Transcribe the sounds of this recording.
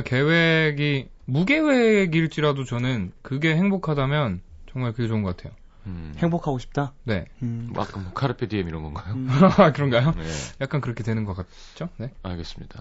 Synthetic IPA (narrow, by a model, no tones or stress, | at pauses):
ke̞we̞ɡi | muɡe̞we̞ɡiɭt͡ɕ͈iɾadot͡ɕʌnɯnkɯɡe̞he̞ŋbokʰadamjʌn | t͡ɕʌŋmaɭkɯɡe̞t͡ɕoɯŋɡʌk͈atʰe̞jo | heŋbokʰaɡoɕʰi̥p̚t͈ane̞a̰k͈ɯmkʰaɾɯpʰediemiɾʌnɡʌnɡajoakɯɾʌnɡajoejak̚k͈ankɯɾʌkʰe̞dwe̞nɯnɡʌk͈at | t͡ɕ͈one̞a̰ɭɡe̞s͈ɯmɲid̥a